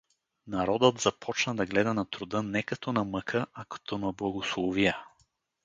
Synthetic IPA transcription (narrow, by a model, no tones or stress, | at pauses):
nɐɾɔd̪ət̪z̥ɐpʰɔt͡ʃnɐd̪ɐɡlɛd̪ɐnɐt̪ɾʊd̪ənɛkɐt̪ɔnɐməkʰəʔɐkɐ̥t̪ʰɔnɐblˠɐɡoslˠɔvijə